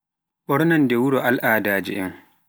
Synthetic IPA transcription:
ɓɔɾnandɛwuɾɔʔalʔaːdaːd͡ʒɛ̰ʔɛ̰ŋ

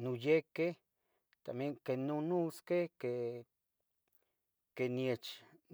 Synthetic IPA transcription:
nujeke | t̪amjeŋkenunuskeke | kenjet͡ʃ

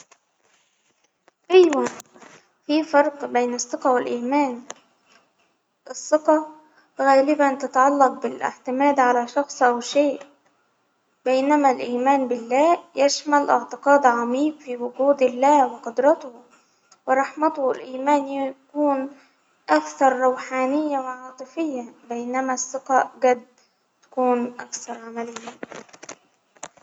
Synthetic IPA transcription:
ʔajwan | fiːfɑɾˤqbejnɑsˤːɨqɑwɪlʔiːmaːn | ʔɑsˤːɨqɑ | ɣæːlɪbant̪at̪aʕɑlːɑq̚bɪlʔɪ̰ʕt̪ɪmaːd̪ʕalaːʃɑxsˤʔawʃeːʔ | b̥ejnamælʔiːmaːnbɪlːæːjæʃmalʔɪʕt̪ɪqɑːd̪ʕɑmiːbfiːwʊɡuːd̪ɪlːaːwɪqʊd̪ɾˤɑt̪ʊh | wɪɾˤɑħmat̪ʊhlʔiːmaːnkuːn | ʔakθɑɾˤːɑwħaːnɪjːawɪʕɑːt̪ˤɨfɪjːabajnamasːɪqɑːʔɡad̪ː | t̪ḁkuːnʔakθɑɾˤʕamalɪjːa

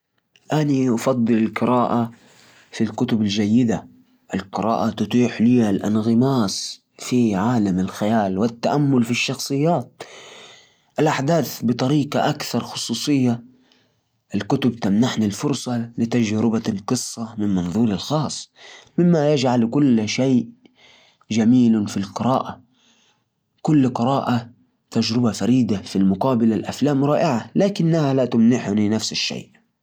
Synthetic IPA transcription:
ʔaniʔɑfɑd̪ˤːɨlɪlqɨɾaːʔa | filkʊt̪ʊbɪld͡ʒajːɪd̪a | ʔɪlqɨɾa̰ːʔat̪ʊt̪ˤiːħliːalʔa̰nɣɪmaːs | fiʕaːlamɪlxajaːlwɪt̪ːaʔamːʊlfiʃːɑxsˤɨjːaːt̪̚ | ʔɪlʔaħd̪aːθbɨt̪ˤɑɾiːqɑʔakθɑɾˤxʊsˤuːsˤɨjːa | ʔɪlkʊt̪ʊbt̪amnaħnalfʊɾsˤɑlɪt̪ad͡ʒɾɪbalqɨsˤːɑmɪnmɑnðˤuːɾɪlxɑːsˤːmɪmːajad͡ʒʕalkʊlːʃaːʔ | d͡ʒamiːlfilqɨɾaːʔa | kʊlːqɨɾaːʔa | t̪ad͡ʒɾɪbafaɾiːd̪afilmʊqɑːbalalʔaflaːmɾˤɑːʔɪʕalaːkɪnːahalat̪ʊmnɪħʊninafsɪʃːa̰ːʔ

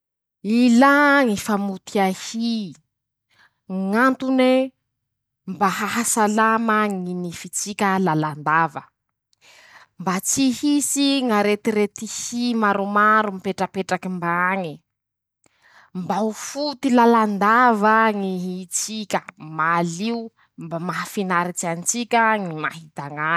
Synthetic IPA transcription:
ilaŋifamut̪ʰiahi | ŋant̪une | mbaɦaɦasalaməŋinifit͡sikʲəlaland̪avə | mbat͡sihisiŋaɾet̪iɾet̪ihimaɾumaɾumipeʈ͡ʂəpeʈ͡ʂakimbaŋi | mbaufut̪ilaland̪avəŋiɦit͡sikʲəmaliu | mbamaɦafinaɾit͡sianit͡sikʲəŋima̰ɦid̪aŋa

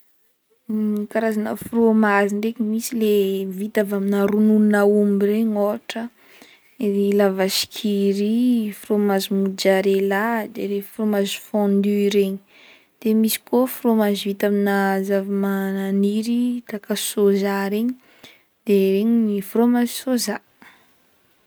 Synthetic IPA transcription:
kaɾazanəfromaziɳɖ͡ʐekimisilevit̪avaminaɾunununaumireɲoaʈ͡ʂə | ilavasi̥kʰiɾifromazimud͡ʒaɾelad̪eɾefromazi̥fɔ̃nd̪yiɾeɲi̥ | d̪̥emisi̥kofromazivit̪aminazavamananiɾit̪akasozaɾeɲi | d̪̥eɾeɲinifromazi̥soza

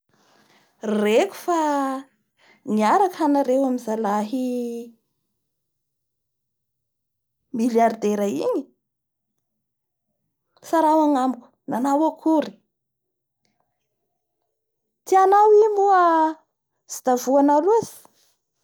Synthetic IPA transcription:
reku̥fa | niaɾakanaɾewamizalaɦi | miljard̪eɾəḭɲi̥ | saɾawaŋamku̥nanawakʰuɾi̥ | t̪ianawimuə | z̥i̥d̪avuanaluzi̥

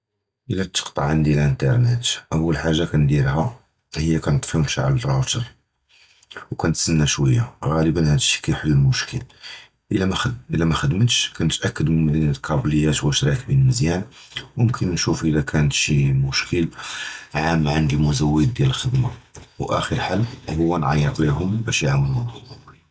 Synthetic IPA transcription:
ʔəlːæt̪ːə̥qt̪ˤɑʕənd̪ijælʔənt̪ɑɾˤnet̪ʔæwːəlħaʒːakænd̪iɾhæ | həjːækænt̪ˤfunʃʕa̰lərˤɑwt̪əɾˤ | wkænət̪sənːæʃwəjːaɣæləbənhæd̪əʃːi̥kæjħəlːəlmʊʃkəl | ʔəlʔəlæmæxəd̪mət̪ʃkænət̪ʔækːəd̪mənmæd̪inət̪qʰɑbləjːæt̪wæʃɾæk̚binəlməzjænwmʊmkʰənːʃufʔəlækʰænət̪ʃimʊʃkʰəlʕamːʕand̪imʊzæwːəd̪̚ːjæləlxəd̪mawʔæ̰xəɾħalhʊwːænʕɑ̰jːəq̪liɦʊmbæʃjʕawəlʊn

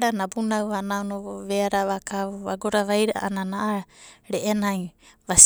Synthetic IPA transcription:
ɾanabunawanawnooβeaɾaβakaβuβaɡoɾaβajɾaʔa̰ʔananaʔaɾeʔenaj | βas

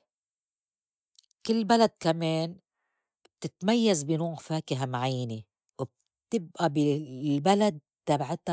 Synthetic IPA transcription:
kɪlːbalad̪̚kameːn | b̚t̪ɪt̪majːazbɪnuːɣfaːkɪɦamaʕajːani | wɪb̚ | t̪ɪbʔabɪlbalad̪̚t̪abʕɪt̪a

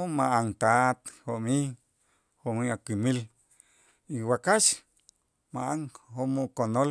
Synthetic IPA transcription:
omaʔaŋt̪at̪homi | homiakʷimil | iwakaʃ | maʔaŋhomukonol

